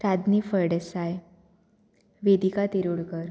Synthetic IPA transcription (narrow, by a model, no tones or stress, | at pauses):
ɾad̪nifəɾɽesaj | ʋed̪ikat̪iɾuɽkəɾ